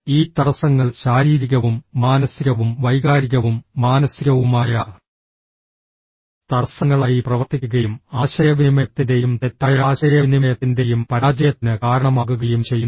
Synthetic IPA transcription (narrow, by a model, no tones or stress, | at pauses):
iːt̪ɐrɐsɐŋːɐɭɕaːɾiːɾiɣɐʋumːaːnɐsiɣɐʋumʋɐjɣaːɾiɣɐʋumːaːnɐsiɣɐʋumaːjɐ | t̪ɐrsɐŋːɐɭaːjiprɐʋɐrt̪ikʲːuɣɐjumaːɕɐɾjɐʋinmɐjɐt̪ːinde̞jumt̪et̪ːaːjaːɕɐɾjɐnimɐjɐt̪ːinde̞jumpɐɾaːd͡ʑɐjɐt̪ːinɨkaːɾɐɳɐmaːɣuɣɐjumt͡ɕe̞jːun